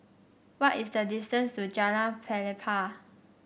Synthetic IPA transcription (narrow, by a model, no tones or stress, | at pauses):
wɔtisdədistə̃nstud͡ʒanafʰɛlipʰa